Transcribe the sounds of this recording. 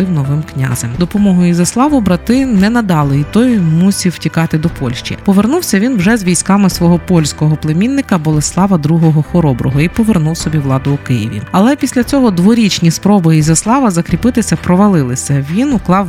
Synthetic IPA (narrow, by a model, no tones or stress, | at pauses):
ɪwnɔʋɪmknʲa̰zɛmd̪ɔpɔmɔɦʊizɐslˠɑʋʊbɾɐt̪ɪnɛnɐd̪ɑlˠɪit̪ɔjmusʲiwtʲikɑt̪ɪd̪ɔpɔlʲʃt͡ʃḭpɔʋernuwsʲɐʋʲinwʒɛzʋʲijsʲkɑmɪsʋɔɦɔpɔlʲsʲkɔɦɔplˠemʲinːɪkɐbɔlˠeslˠɑʋɐd̪ɾuɦɔɦɔxɔɾɔbɾɔɦɔipɔʋernuwsɔbʲiʋlˠɑd̪ʊːkɪjḭʋʲḭɐlˠɛpʲisʲlʲɐt͡sʲɔɦɔd̪ʋɔɾʲit͡ʃnʲispɾɔbɪizɐslˠɑʋɐzɐkɾʲipɪt̪ɪsʲɐpɾɔʋɐlˠɪlˠɪsʲɐʋʲinuklˠɑw